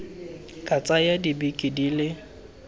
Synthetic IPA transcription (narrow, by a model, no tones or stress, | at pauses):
kʼat͡sʼajadibikʼidilɪ